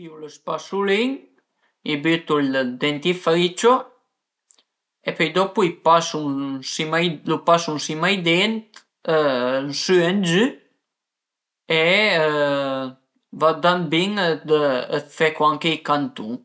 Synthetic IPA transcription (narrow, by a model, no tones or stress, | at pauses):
iuləspasuliŋ | ibyt̪uld̪ɛnt̪ifɾit͡ʃɔ | ɛpɛjd̪ɔpuipasunsimajlupasunsimajd̪ɛnt̪ | ənsyɛnd͡ʒy | ɛə | vad̪anbiŋd̪əəfɛkuaŋkɛikant̪u